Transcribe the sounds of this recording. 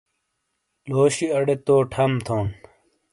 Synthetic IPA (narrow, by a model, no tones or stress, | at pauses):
loːɕiɐɽet̪oːʈʰɐmt̪ʰoːn